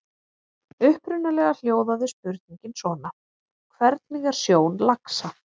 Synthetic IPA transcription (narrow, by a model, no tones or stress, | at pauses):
ʏhpɾʏnːalɛɣal̥joːwðaðɪspʏɾt̪̚niɲcɪnsvɔːna | ɔɔkʰvɛɾt̪niŋkaɾ̥sjoːwnlaksa